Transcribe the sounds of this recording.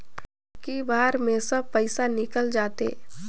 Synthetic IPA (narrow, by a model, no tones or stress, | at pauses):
kibaːɾmẽsəb̚pəɪsanɪkəld͡ʒaːt̪ḛː